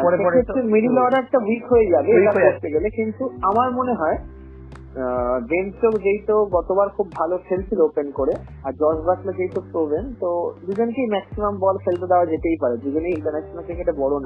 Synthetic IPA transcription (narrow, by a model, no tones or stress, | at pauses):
ʃeet̪ːɾemiɾilɔɖaɛk̚ʈawikɦojed͡ʑabeeʈakoɾt̪eɡelekint̪uamaɾmoneɦɔe | bent͡ɕokd͡ʑejt̪oɡɔt̪obaɾkʰubːʱalofʰelt͡ɕʰiloopenkoɾe | aɾd͡ʑɔʃbʱaklad͡ʑejt̪opɾobent̪od̪ud͡ʑonkejmɛksimambɔlfelt̪od̪aoad͡ʑeʈ̪ejpaɾed̪ud͡ʑonejiɳʈaɾnɛʃonalkɾikeʈebɔɽona